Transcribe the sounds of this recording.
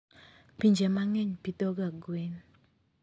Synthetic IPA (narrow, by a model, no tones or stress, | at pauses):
piɲd͡ʒemaŋɛɲpitoɡaɡwen